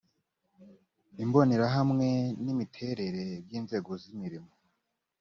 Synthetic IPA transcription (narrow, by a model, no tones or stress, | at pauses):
imbo̞neɾaɦamŋe̞nimitʰe̞ɾe̞ɾe̞bjiːnze̞ːɡo̞zimiɾimo